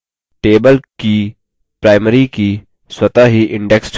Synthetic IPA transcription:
ʈeːbəlki | pɾaːɪməɾiki | swɐt̪aɦiʔɪ̃ɳɖeks

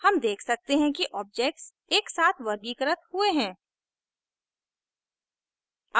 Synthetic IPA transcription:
hɐmd̪eːkʰsɐk̚t̪eɦɛ̃kiʔɔːb̚d͡ʒek̚ʈs | eːksaːt̪ʰʋɐɾɡiːkəɾət̪hueɦɛ̃ː | a

